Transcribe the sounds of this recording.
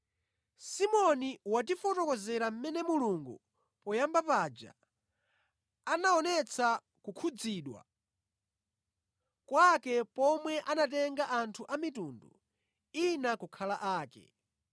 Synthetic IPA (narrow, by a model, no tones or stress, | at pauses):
simɔniwatifɔtɔkɔzɛɾam̩mɛnɛmuluŋɡu | pɔjambapaːd͡ʒa̰ | anaɔnɛt͡sʰa | kukʰud͡ziːɗwa̰ | kwakɛpɔmwɛʔanatɛŋɡaʔantʰuʔamitundu | inakukʰalaʔaːkɛ̰